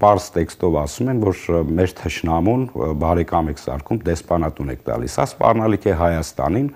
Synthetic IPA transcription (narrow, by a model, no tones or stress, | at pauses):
pɑɾzt̪ɛkst̪ɔvɑsumɛnvɔɾmɛɾt̪ʰəʃnɑmunbɑɾɛkɑmɛkʰsɑ̰ɾkʰumd̪ɛspɑnɑt̪unɛ̰kʰt̪ɑ̰lḭsːɑ̰spɑ̰rnɑlikʰɛɦɑjɑst̪ɑ̰nin